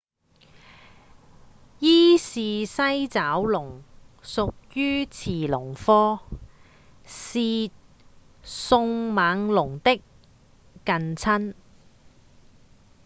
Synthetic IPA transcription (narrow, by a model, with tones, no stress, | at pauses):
jiː˥siː˨sɐ˥jt͡saː˨˥wlʊ˨˩ŋsʊ˨k̚jyː˥t͡sʰiː˨˩lʊ˨˩ŋfɔː˥ | siː˧t̚ | sʊ˧ŋmaː˨˧˥ŋlʊ˨˩ŋt̪ɪ˥kː | ɐ˧nt͡sʰɐ˥n